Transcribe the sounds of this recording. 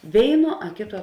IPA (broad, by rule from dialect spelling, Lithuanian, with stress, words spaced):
ˈʋʲeːɪˌnuɔ ɐ ˈkʲeːˌtuɔ